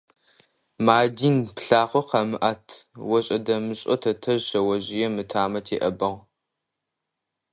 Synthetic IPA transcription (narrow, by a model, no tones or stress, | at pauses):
maːdiːnpɬaːχʷɔqɐmɨʔatʰwɐɕʼɐdɐmɨɕʼɔ̰tʰɐtʰɐʒɕɐwɐʑɪjɛmɨtʰaːmɐtʰḛːʔɐbɐʁ